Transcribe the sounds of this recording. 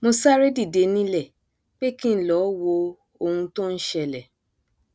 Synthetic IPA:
mo˧sa˦ɾe˦di˦˨de˧nĩ˦lɛ˦˨ | k͡pe˦kĩ˦n̩˦lɔ˨˦wo˧ | o˧hũ˧tõ˦n̩˦ʃɛ˧lɛ˨

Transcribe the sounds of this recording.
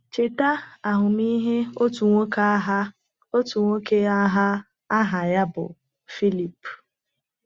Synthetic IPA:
t͡ʃe˨ta˦a˨ɦʊ˨mi˦ɦe˦o˦tu˨ŋʷo˦ka˦ɦa˦ | o˦tu˨ŋʷo˦ke˦a˦ɦa˦ | a˦ɦa˨ja˦bʊ̰˨ | fi˦li˨p

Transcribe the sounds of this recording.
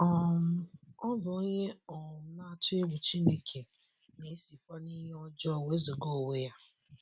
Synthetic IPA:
ɔ˨˦ | ɔ˦bʊ˨o˦ɲe˦ɔ˨˦na˦tʊ˦e˦ɡʷu˨t͡ʃi˦ne˦kʰe˨ | ne˨e˦si˨kʷɔ˦ni˦ɦe˦ɔ˦d͡ʒɔ˦˨we˦zu˨ɡo˦˨we˦ja˦

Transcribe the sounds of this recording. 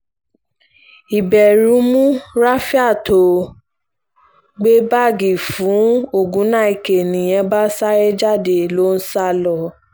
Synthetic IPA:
i˨bɛ˨ɾũ˨˦mũ˦ɾa˦fi˦a˦˨to˨ | ɡ͡be˦ba˦˨ɡi˨fũ˨˦o˦˨ɡũ˨˦nã˦˨i˨ke˨nĩ˨j̃ɛ̃˧˦ba˦sa˦ɾɛ˦d͡ʒa˦˨de˨lo˦n̩˦sa˦lɔ˦˨

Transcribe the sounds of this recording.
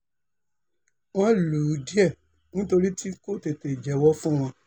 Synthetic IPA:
w̃ɔ̃˦lu˨˦di˦ɛ˦˨ | nĩ˦to˧ɾi˦tʰi˦ko˦˨te˧te˨d͡ʒɛ˨˦wɔ˦fũ˦w̃ɔ̃˧

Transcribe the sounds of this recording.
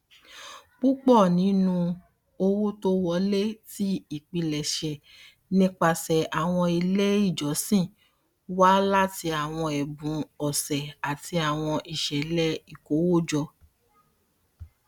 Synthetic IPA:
k͡pu˦k͡pɔ˦˨nĩ˨˦nũ˧ | o˧wo˦to˦wɔ˧˦le˦ti˦i˦˨k͡pi˧lɛ˨ʃɛ˨ | nĩ˦k͡pa˧sɛ˨ʔa˨w̃ɔ̃˧i˧le˦i˦˨d͡ʒɔ˨˦sĩ˦˨ | wa˦la˦ti˧a˨w̃ɔ̃˧ɛ˨bũ˨˦ɔ˨sɛ˨a˨ti˧a˨w̃ɔ̃˧ʔi˨ʃɛ˨lɛ˦i˨ko˨˦wo˦d͡ʒɔ˧

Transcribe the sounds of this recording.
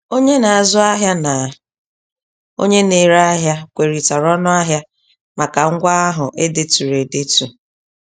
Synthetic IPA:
o˦ɲe˦na˨a˨zʊ˦a˦ɦja˦na˨ | o̰˦ɲe˦ne˨ɾa˦a˦ɦja˦kʷe˨ɾi˨ta˨ɾɔ˦nʊ˦a˦ɦja˦ | ma˨ka˨ŋ̩˦ɡʷa˦a˦ɦʊ˨ʔe˦de˨tu˨ɾe˨de˦tu˨

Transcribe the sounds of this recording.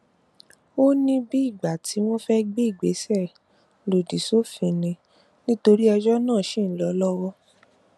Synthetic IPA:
o˦nĩ˦bi˦i˦˨ɡ͡ba˨ti˨˦w̃ɔ̃˦fɛ˦ɡ͡be˦i˦˨ɡ͡be˨˦sɛ˦˨ | lo˨di˨so˦fĩ˨nĩ˨ | nĩ˦to˧ɾi˦ɛ˧d͡ʒɔ˦nãː˦˨ʃẽ˦˨n̩˦lɔ˨˦lɔ˦wɔ˦

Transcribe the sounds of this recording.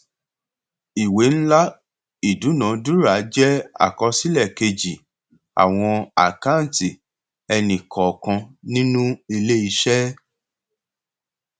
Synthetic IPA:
i˨we˨˦ñ̩˦la˦ | i˨du˨˦nã˨˦du˦ɾa˨˦d͡ʒɛ˦a̰˨kɔ˧si˦lɛ˦˨ke˧d͡ʒi˨ | a̰˨w̃ɔ̃˧a̰˨ka˦˨n˨ti˨ | ɛ˧nĩ˨kʰɔ˨kã˧nĩ˦nũ˦i˧le˦i˧ʃɛ˦

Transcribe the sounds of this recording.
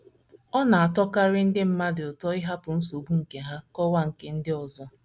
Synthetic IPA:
ɔ˦na˨a˨tɔ˦ka˦ɾɪ˦n̩˦dɪ˦m̩˦ma˦dɪ˨ʊ˨tɔ˦ɪ˦ɦa˦pʊ˨n̩˦so˨bu˦ŋ̩˨ke˨ɦa˦kɔ˦wa˦ŋ̩˨ke˦n̩˦dɪ˦ɔ˨zɔ˦

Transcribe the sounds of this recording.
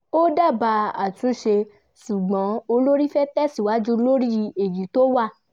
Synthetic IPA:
o˦da˦˨ba˧a˨tĩ˧˦ʃe˧ | ʃu˨ɡ͡bɔ̃˨˦o˧lo˦ɾi˦fɛ˦tɛ˦si˨wa˦d͡ʒu˦lo˦ɾi˦˧e˨ji˨˦to˦wa˦˨

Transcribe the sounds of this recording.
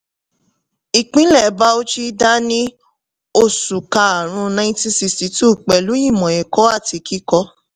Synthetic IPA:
i˨k͡pĩ˨˦lɛ˦˨ba˧˦o˦t͡ʃi˦da˦nĩ˦ | o˧su˨ka˧a˨ɾ̃ũ˧nã˧ĩ˦tĩ˧si˧sti˧tu˦˨k͡pɛ˨lu˨˦jĩ˦˨mɔ̃˨ɛ˨kɔ˨˦a˦˨ti˧ki˦kɔ˧˦

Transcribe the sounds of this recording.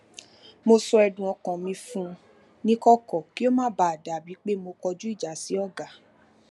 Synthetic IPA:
mo˧sɔ˧ɛ˧dũ˨ɔ̃˧kã˨mĩ˧fũ˦˧ | nĩ˦kɔ˦kɔ˨ki˦o˦mãː˦ba˨a˨da˨bi˨˦k͡pe˦mo˧kɔ˧d͡ʒu˦i˦˨d͡ʒa˨˦si˨˦ɔ˦˨ɡa˨

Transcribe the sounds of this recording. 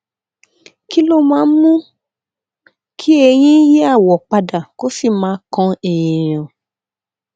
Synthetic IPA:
ki˦lo˦mãː˦mũ˦ | kʰi˦e˧j̃ĩ˦je˦a˦˨wɔ˨k͡pa˧da˨ko˦si˦˨mãː˨˦kɔ̃˧e˨jie˨j̃ɔ̃˨

